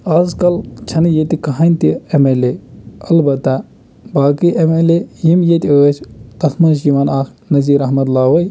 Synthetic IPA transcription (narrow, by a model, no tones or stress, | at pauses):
aːzkɐlt͡ʃʰɐnjet̪ikɐɦanʲt̪iemeleɐlbɐt̪ːa | baːkiʔemelejimjet̪iəːt͡ʃʰt̪ɐsʰmɐnʃ̬iʋaːnaːkʰ | nɐziːɾɐɦmɐt̪laːɦoːj